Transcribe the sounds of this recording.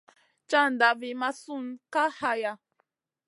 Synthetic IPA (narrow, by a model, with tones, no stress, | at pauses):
t͡ʃa˦n˨da˨vi˨ma˦su˦nka˦ha˧ja˨